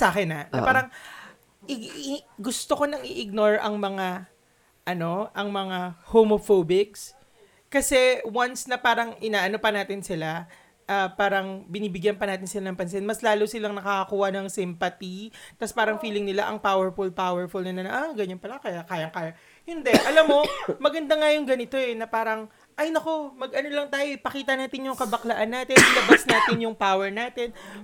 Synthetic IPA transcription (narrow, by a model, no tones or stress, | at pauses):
sʔaːkɪnɐnɐ̰aɾɐŋ | ʔɪɡʊst̪oko̞nɐŋɪʔɪɡ̚no̞ɹʔɐŋmɐŋa | ʔɐno̞ʔɐŋmɐŋahomofobɪks | kɐsɛwansnɐpaːɾɐŋʔɪnaːʔɐno̞pɐnaːt̪ɪnsɪla | ʔɐpaːɾɐŋbɪniːbɪɡjɐnpɐnaːt̪ɪnsɪlanɐŋpɐns̬ɪnmɐslaːlosɪlaŋnɐkakɐkuːhɐnɐŋsɪmpɐt̪it̪ɐspaːɾɐŋfiːlɪŋnɪlaʔɐŋpawɛɹfʊlpawɛɹfʊlnɐnɐnɐʔaɡɐɲɐnpɐlakɐjakaːjɐŋkaːjɐ | hɪnd̪ɛʔɐlamːo̞mɐɡɐnd̪aŋajʊŋɡɐnɪt̪o̞ɛnɐpaːɾɐŋ | ʔɐjnɐko̞mɐɡ̚ʔɐnolɐŋt̪aːjoʔɪpɐkiːt̪ɐnaːt̪ɪnjʊŋkɐbɐklɐʔanːaːt̪ɪnlɐbasnaːt̪ɪnjʊŋpawɛɹnaːt̪ɪn